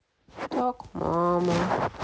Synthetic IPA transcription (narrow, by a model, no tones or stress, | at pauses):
tɔkmɔma